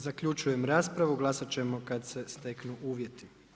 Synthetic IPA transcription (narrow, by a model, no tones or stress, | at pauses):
zakʎut͡ʃuje̞mɾaːspɾaʋuɡlˠasat͡ɕe̞mo̞kad̪se̞st̪e̞knuʔuːʋje̞t̪i